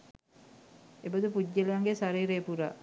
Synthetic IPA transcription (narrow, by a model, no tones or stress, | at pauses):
ebəd̪upuɟːəleʋaŋɡesaɾiːɾepuɾa